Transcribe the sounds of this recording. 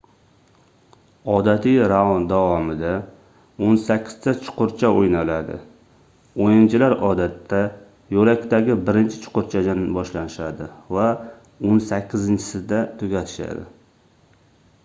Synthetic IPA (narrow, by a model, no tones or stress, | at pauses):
ɒd̪at̪ʰɪɾavnd̪avɒmɪd̪a | onsakʲʰːɪ̥z̥t̪ʰat͡ʃʰʊ̥qʊɾt͡ʃʰaojnalad̪ɪ̰ | ojɪnt͡ʃʰɪlaɾɒd̪at̪ʰːa | jolakʲt̪aɡʲɪbɪɾɪnt͡ʃʰɪ̥t͡ʃʰʊ̥qʊɾt͡ʃʰad̪anbɒʃlanɪʃad̪ɪva | onsakʲʰːɪzɪnt͡ʃʰɪ̥sɪd̪at̪ʰɵɡʲat̪ʰɪ̥ʃa̰d̪ɪ̰